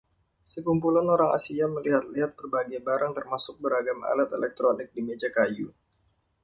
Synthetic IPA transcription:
səkumpulanoɾaŋa̰siaməliɦat̪̚liɦat̪̚pərbaɡajbaɾaŋt̪ərmasʊk̚bəɾaɡama̰lat̪elɛk̚t̪ɾonɪk̚dimed͡ʒakaju

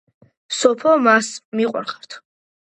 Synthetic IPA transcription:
sɔpʰɔmasmiqʼwa̰ɾχaɾt̪ʰ

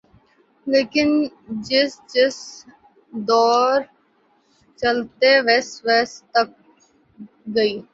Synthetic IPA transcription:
leːkɪnd͡ʒɪsd͡ʒɪs | d̪ɔːɾ | t͡ʃɐlt̪eʋɛsʋɛːst̪ək̚ | ɡɐiː

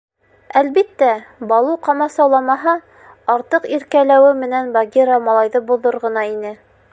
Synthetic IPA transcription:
ælβit̪ːæbɑlˠuqɑmɑsɑwlˠɑmɑɦɑ | ɑɾt̪ɤqiɾkælæwɘmɘ̆nænbaɡʲiɾɑmɑlˠɑjðɤbuðoɾʁɤ̆nɑinɘ

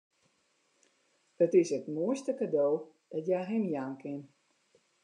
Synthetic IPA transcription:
hətɪsətmuəstəkadoː | d̥ɔtjajɦɛmjaːnkɪn

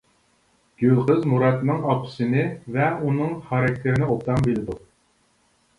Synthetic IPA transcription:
ɡ̥ʲølˠqɨzmuɾɑt̪nɨŋɑpʰɨ̥sɨnɨvɛunɨŋχɑɾɑk̚ʲt̪ʰeɾɪnɪolt̪ɑmbelɪd̪u

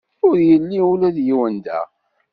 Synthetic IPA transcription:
ʊɾjəlːiulæðjiwənd̪æ̰

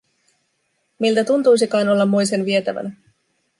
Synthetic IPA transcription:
milt̪æt̪unt̪ujsikɑːno̞lːɑmːojse̞nʋiet̪æʋæ̰næ

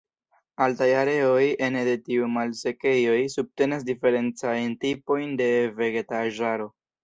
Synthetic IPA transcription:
altajaɾe̞o̞je̞nede̞tiumalse̞ke̞jo̞jsub̚te̞nas̬dife̞ɾe̞nt͡sajntipo̞jnde̞ve̞ɡetaʒaɾo̞

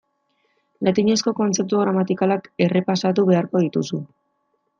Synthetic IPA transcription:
lat̪iɲe̞sko̞ko̞nt͡se̞p̚t̪uɣ̞ɾamat̪ikalake̞re̞pasat̪̬uβe̞aɾko̞ðit̪usu

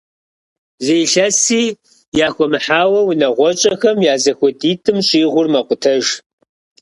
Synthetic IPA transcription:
zejɬɐsiː | jaːxʷɔmɨħaːwɐwʊnɐʁʷɔt͡ʃʼɐxɐmjaːzɐxʷɔdiːtʰʼɨmɕʼiːʁʷʊrmɐqʷʊtʰɐʒ

